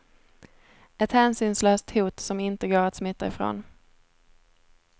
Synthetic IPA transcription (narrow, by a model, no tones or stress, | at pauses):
ɛt̪hæːnsʏːnsløːst̪huːt̪sɔmɪnt̪əɡoːɾat̪smɪt̪ːaɪfɾo̰ːn